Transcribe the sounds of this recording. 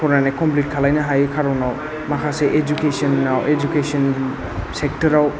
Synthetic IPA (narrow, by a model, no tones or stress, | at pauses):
kɔɾnanekɔmplit̚kʰalajnaɦajkʰaɾɔwnaw | makʰaseʔed͡ʒukesɔnːawʔed͡ʒukesɔn | sek̚tɔɾaw